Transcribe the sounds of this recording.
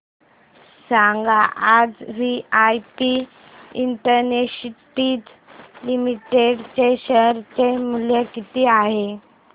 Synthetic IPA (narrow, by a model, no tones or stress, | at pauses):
saŋɡaʔad͡zʋiajpi | iɳʈəɾneɕiʈiːt̪ | limiʈeɖt͡ɕeɕəɾt͡ɕemuljəkit̪iːaɦe